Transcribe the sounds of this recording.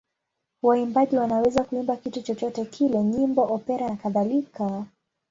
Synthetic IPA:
waimbaʄiwanawɛzakuimbakitut͡ʃɔt͡ʃɔtɛkʰilɛɲimbɔʔɔpɛɾanakaðalika

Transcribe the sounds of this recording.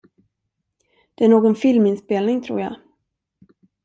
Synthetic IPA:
d̪̥ɛæɳoːɡɔnfɪlmɪnspeːlnɪŋt̪ʰɾṵːɾja̰

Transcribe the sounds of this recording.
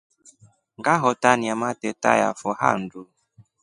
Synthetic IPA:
ŋɡaɦɔtaniamatɛta̰ja̰fɔha̰n̩du

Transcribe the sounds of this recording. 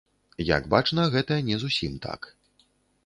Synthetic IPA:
ja̰ɡbat͡ʂnɐɣɛt̪ɐjɐnʲɛzusʲimt̪a̰k

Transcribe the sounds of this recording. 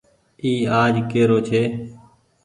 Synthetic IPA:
iːaːd͡ʒkeːɾoːt͡ʃʰeː

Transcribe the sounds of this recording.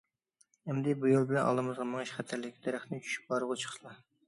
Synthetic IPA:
ɛmd̪ɪbujolˠbɪlɛnʔɑ̰lˠɨmɨzʁɑmɨŋʃχæt̪ʰæɾlɪkʲʰid̪ɛɾæχt̪ʰɪnɪt͡ʃʰy̥ʃy̥p̚bɑɾəʁʊt͡ʃʰə̥χə̥ʃlˠɑ

